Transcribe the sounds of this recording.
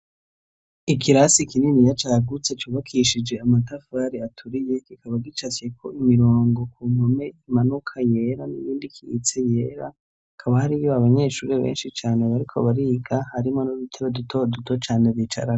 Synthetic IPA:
ikiɾasikininijat͡ʃaɡut͡se̞t͡ʃuːβakʰiʃid͡ʒe̞amatafaːɾiatʰuɾije̞kikaβaɡit͡ʃat͡ʃe̞kʰo̞imiɾoːŋɡo̞kuːm̥ome̞imanukʰaje̞ɾaniβiːndikʰiḭt͡se̞je̞ɾa | kʰaβahaɾijoaβaɲe̞ʃuːɾe̞βḛːnʃit͡ʃaːneβaɾikʰo̞βaɾiːɡahaɾimonudutʰeβadutʰodutot͡ʃaːneβit͡ʃa̰ɾa

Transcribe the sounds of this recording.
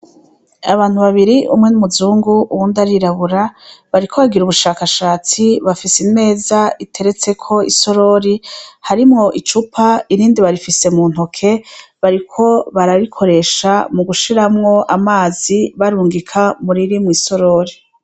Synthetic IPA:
aβaːn̥huβaβiɾiʔṵmŋe̞numuzuːŋɡuuwundaɾiɾaβuɾaβaɾikʰoβaɡiɾuβuʃaːkaʃaːt͡siβafisine̞ːzaitʰe̞ɾe̞t͡se̞kʰo̞iso̞ɾo̞ɾihaɾimŋo̞ʔit͡ʃupʰaiɾiːndiβaɾifise̞muːn̥o̞kʰe̞βaɾikʰo̞βaɾaɾikʰo̞ɾe̞ʃamuɡuʃiɾamŋo̞ʔamaːziβaɾuːŋɡikʰamuɾiɾimwiːso̞ɾo̞ːɾi

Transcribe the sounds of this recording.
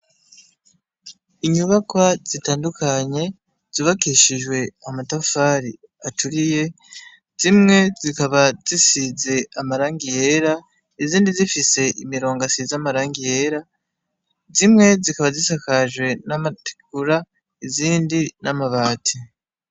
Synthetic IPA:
iɲuβakwaz̥itaːndukʰaɲe̞ | z̥uβakiʃiʒwe̞amatafaːɾi | atuɾije̞ | z̥imŋe̞zikaβazisize̞amaɾaːŋɡijeɾa | iziːndizifise̞ʔimiɾo̞ːŋɡasizamaɾaːŋɡije̞ɾa | zimŋe̞zikaβazisakaʒwe̞namati̥kuɾa | iziːndinamaβaːtʰi

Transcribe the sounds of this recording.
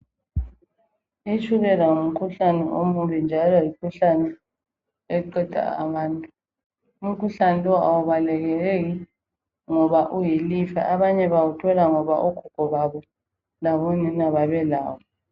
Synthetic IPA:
it͡ʃʰʼuɣɛlaum̩kʰuɬanɛʔomuβind͡ʒʱalɔjikʰuɬanɛ | ɛǃɛd̥ʱa̰a̰βaːntʼu | um̩kʰuɬanɛlwaa̰wuβalɛɣɛɣeɣi | ŋɔβaʔujilifa̰ʔaβaɲɛβawutʰɔlaŋɔβa̰ʔuɡ̥ʰʱuɡ̥ʱɔβaβɔ | laβonɛnaβaβɛla̰ːβɔ

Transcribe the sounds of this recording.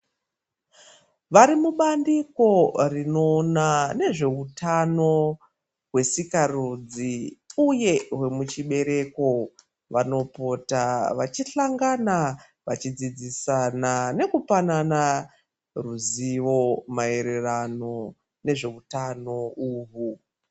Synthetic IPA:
ʋaɾimuɓandiko̞rino̞nane̞ʐe̞utano̞ | ɦwe̞sikarud͡ziuje̞ɦwe̞mut͡ʃiɓe̞ɾe̞ko̞ | ʋano̞potaʋat͡ʃiɬaŋɡana | ʋat͡ʃid͡zid͡zisanane̞kupanana | ruziʋo̞mae̞ɾerano̞ | ne̞ʐe̞utano̞uːɦu

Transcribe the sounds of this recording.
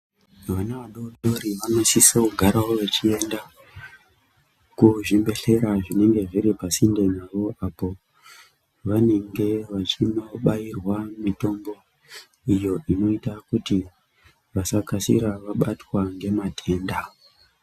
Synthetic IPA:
ʋanaʋaɗoɗoɾiʋanosisokuɡʱaɾawo̞ʋe̞t͡ʃie̞nda | kuʐimbe̞ɬe̞ɾaʐine̞ŋɡe̞ʐiɾipasindenaʋo̞ʔapo̞ | ʋane̞ŋɡe̞ʋat͡ʃinoɓairwamito̞mbo̞ | ijo̞ʔino̞itakuti | ʋasakasḭɾaʋaɓatwaŋɡe̞matʰe̞ːnda

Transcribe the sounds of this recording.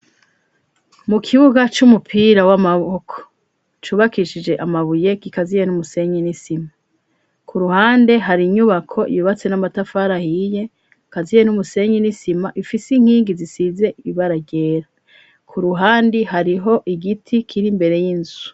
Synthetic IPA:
mukʰiβuɡat͡ʃumupʰiːɾawamaβokʰo̥ | t͡ʃuːβakiʃid͡ʒe̞ʔamaβuje̞ɡ̥ikazijenumuse̞ɲenisima | kʰuɾuhaːnde̞ɦaɾiɲuβakʰo̞ḭβiβat͡se̞namatafaɾahije̞ | kazijenumuse̞ɲinisimaʔifisiŋ̥hiːŋɡizisize̞iβaɾaɟe̞ːɾa | kʰuɾuɦaːndihaɾiɦo̞ʔiɡitʰikʰiɾimbe̞ɾe̞jinzu

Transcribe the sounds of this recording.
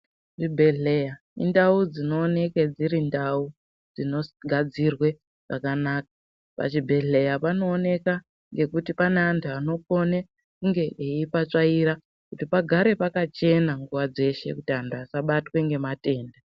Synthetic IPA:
ʐibʱe̞ɮeja | ḭndaud͡zino̞ːne̞ked͡ziɾindau | d͡zino̞ɡʱad͡zirwe̞ | ʐ̥akanaːkḁ | pa̰t͡ʃibʱe̞ɮe̞japano̞ːne̞ka | ŋɡe̞kutipaneantʰuano̞ko̞ne | kuŋɡe̞ʔeipat͡ʂaiɾa | kutipaɡʱaɾe̞pakat͡ʃe̞naŋɡuʋad͡ze̞ʃe̞̰kutiantʰuasaɓatwe̞ŋɡe̞mate̞ːnda

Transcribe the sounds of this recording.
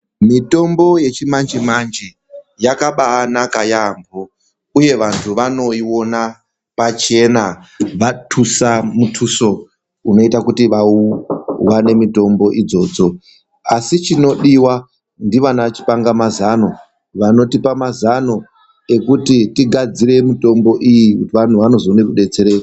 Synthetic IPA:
mito̞mbo̞je̞t͡ʃimand͡ʒimand͡ʒi | jakaɓaːnakajambo | uje̞ʋantʰuʋano̞iwo̞na | pat͡ʃe̞naʋatʰusamutʰuso̞ | uno̞itakutiʋauwane̞mito̞mbo̞ʔid͡zo̞ːd͡zo̞ | asit͡ʃino̞ɗiwa | ndiʋanaat͡ʃi̥paŋɡamazano̞ | ʋano̞tipamazano̞ | e̞kutitiɡʱad͡ziɾe̞mito̞mbo̞ʔijikutiʋan̤uʋano̞zonekuɗe̞t͡se̞ɾe̞

